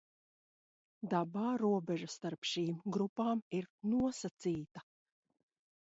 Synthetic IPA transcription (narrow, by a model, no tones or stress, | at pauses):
d̪abaːɾuɔbɛʒɐst̪aɾpʃiːmɡɾupaːmiɾnuɔsat̪siːt̪ɐ